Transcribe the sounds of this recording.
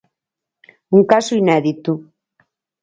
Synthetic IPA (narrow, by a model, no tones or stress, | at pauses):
uŋkasuinaðit̪u